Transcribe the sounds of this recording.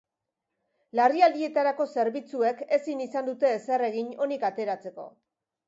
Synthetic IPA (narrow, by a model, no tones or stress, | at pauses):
lariald̪ie̞t̪aɾako̞se̞ɾβit͡sue̞ke̞sinisand̪ut̪e̞ːsere̞ɣ̞iɲo̞nikat̪e̞ɾat͡se̞ko̞̰